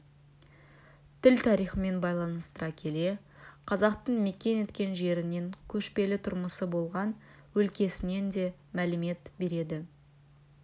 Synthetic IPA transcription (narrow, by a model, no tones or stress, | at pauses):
t̪ʰɪlt̪ʰɑɾijχəme̞nbɑjlˠɑnəst̪əɾɑkʲʰe̞le̞ | qʰɑzɑqt̪əɴme̞kʲe̞ne̞t̪kʲe̞nʒe̞ɾɪne̞ŋkʲʰɵʃpe̞lɪt̪ʰʊɾməsəbo̞lˠʁɑn | wɵlkʲe̞sɪne̞nd̪e̞mælɪme̞t̪be̞ɾe̞d̪ɪ